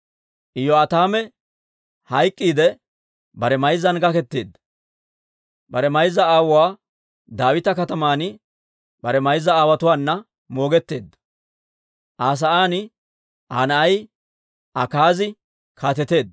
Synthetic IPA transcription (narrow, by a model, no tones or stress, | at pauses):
ɪjɔɐt̪aːmɛ | hɐjkʼːiːd̪ɛ | bɐɾɛmɐjzɐnɡɐkɛt̪ːḛːd̪ːɐ | bɐɾɛmɐjzːɐaːwʊwaː | d̪aːwɪt̪ɐkɐt̪ɐmaːnɪ | bɐɾɛmɐjzːɐaːwɐt̪ʊwaːnːɐ | mo̞ːɡɛt̪ːe̞ːd̪ːɐ̥ | ʔaːs̬ɐʔaːnɪ | ʔaːnɐɐj | ɐkaːzɪ | kʰaːt̪ɛt̪e̞ːd̪ː